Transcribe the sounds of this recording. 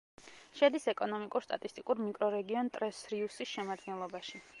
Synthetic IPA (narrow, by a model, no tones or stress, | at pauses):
ʃɛd̪isɛkʼɔnɔmikʼuɾst̪ʼa̰t̪ʼist̪ʼikʼuɾmikʼɾɔɾɛɡiɔnt̪ʼɾɛsɾiusisʃɛmad̪ɡɛnlˠɔbaʃi